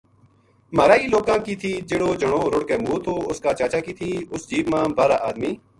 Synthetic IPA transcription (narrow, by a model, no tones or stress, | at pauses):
maːɾaːiːloːkãːkiːt̪ʰiːd͡ʒeːɽoːd͡ʒəɳoːɾʊɽkeːmuːt̪ʰoːʊskaːt͡ʃaːt͡ʃaːkiːt̪ʰiːʊsd͡ʒiːbmãːbaːɾaːʔaːd̪miː